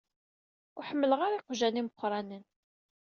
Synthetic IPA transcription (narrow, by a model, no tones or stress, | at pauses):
ʊħəmːələʁaɾiqʒæniməqːɾˤɑnən